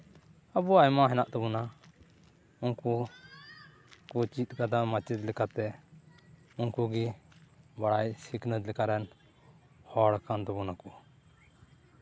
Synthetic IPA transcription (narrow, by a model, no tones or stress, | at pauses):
abuajmaɦɛnaʔt̪ɔbɔna | unku | kut͡ʃit̪̚ˀkad̪amat͡ʃid̪lɛkat̪ɛ | unkuɡi | baɽajsikʰnəd̪lɛkaɾɛn | hɔɽkant̪ɔbɔnakɔ